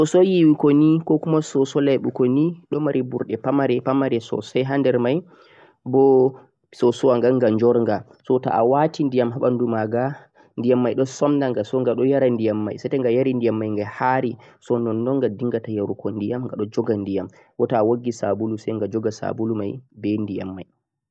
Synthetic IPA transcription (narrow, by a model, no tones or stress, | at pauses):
sɔsɔjiwikonikɔkumasɔsɔlajɓukoniɗɔmaɾʔibuɾɗɛpamaɾɛpamaɾɛsɔ̰sɛjɦandɛɾmaj | bɔ | sɔsɔwaŋɡaŋɡaɲd͡ʒɔɾŋɡa | sɔta̰ʔa̰watindijamɦaɓandumaɡa | ndijamːajɗɔsɔmndaŋɡasɔŋɡaɗɔjaɾandijamːa̰jsɛtɛŋɡajaɾindijamːajŋɡahaɾisɔnɔnːɔŋɡadiŋɡatajaɾukɔndijamŋɡa̰ɗɔd͡ʒɔɡandijam | wɔtaːwaɡːisabulusɛjŋɡad͡ʒɔɡasa̰bulumajbɛndija̰mːaj